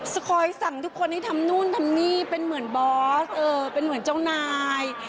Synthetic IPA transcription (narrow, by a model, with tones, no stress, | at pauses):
skʰɔː˧jsa˨˩˦ŋt̪ʰu˦˥kʰːo˧nta˥˩jt̪ʰa˧mnuː˥˩˨nt̪ʰa˧mniː˥˩pe˧nmɯ˩˦ənbɔː˦˥sʔɤː˧pe˧nmɯ˩˦nt͡ɕa˥˩wnaː˧j